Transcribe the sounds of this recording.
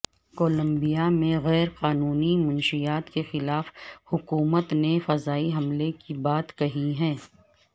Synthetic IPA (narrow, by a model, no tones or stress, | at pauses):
koːlə̃mbijamẽɣɛːɾqaːnuːnimʊnʃijaːt̪kexɪlaːfhʊkuːmət̪nefɐzaːiɦɐmlekibaːt̪kɐɦiɦɛ̃ː